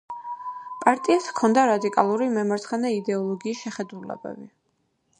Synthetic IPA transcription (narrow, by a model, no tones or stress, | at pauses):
pʼaɾt̪ʼiat̪ʰkʰɔnd̪aɾad̪ikʼa̰lˠuɾimɛmaɾt̪sʰχɛnɛid̪ɛɔlˠɔɡiːsʃɛχɛd̪ulɛ̰bɛ̰bi